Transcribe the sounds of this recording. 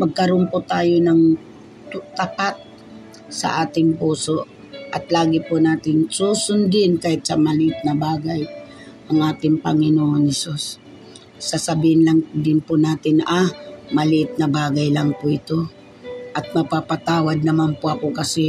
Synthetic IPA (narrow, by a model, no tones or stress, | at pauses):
mɐɡ̚kɐɾonpʊt̪aːjonɐŋ | t̪ʊt̪ɐpat̪̚ | sɐ̰ʔaːt̪ɪŋpuːso̞ʔ | ʔɐt̪laːɡɪpʊnaːt̪ɪnsusʊnd̪ɪnkaːhɪt̪̚sɐmɐlɪʔɪt̪̚nɐbaːɡaj | ʔɐŋʔaːt̪ɪŋpɐŋɪnoːʔonhɛsosː | ɐsɐbiːhɪnlaŋd̪ɪnpʊnaːt̪ɪnʔamɐlɪʔɪt̪̚nɐbaːɡajlaŋpʊʔɪt̪o̞ | ʔɐt̪̚mɐpapat̪aːwad̪̚nɐmanpʊɐkokɐsɪ